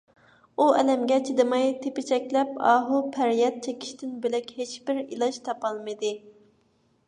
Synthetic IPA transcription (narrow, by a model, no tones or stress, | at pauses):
uɛlɛmɡʲɛt͡ʃʰid̪ɨmɑjt̪ʰepɪt͡ʃʰɛkʲlɛpɑ̰ːɦupʰæɾjɛt̪̚t͡ʃʰekʲʰi̥ʃt̪ʰɪnbɪlɛkʲhet͡ʃbɪɾḭlˠɑʃt̪ʰɑpɑlˠmɨd̪ɨ